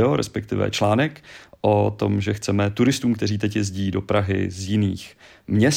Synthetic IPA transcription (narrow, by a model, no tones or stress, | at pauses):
oɾɛ̰spɛk̚t̪ɪvɛ̰t͡ʃlaːnɛkʔot̪o̞̰mʒɛxt͡sɛmɛt̪uɾɪst̪uːmkt̪ɛriːt̪ɛcjɛzɟiːdopɾaɦɪ̰zjɪniːx | mɲɛs